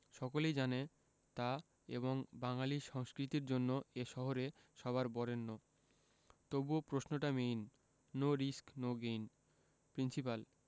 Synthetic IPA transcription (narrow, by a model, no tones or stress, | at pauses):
ʃɔkolejd͡ʑane | t̪a | ḛβoŋbaŋaliʃɔŋskɾit̪iɾd͡ʑonːoeʃɔɦoɾe | ʃɔβaɾbɔɾenːo | t̪obopɾosnoʈamejnː | oɾisknoɡejn | pɾinsipal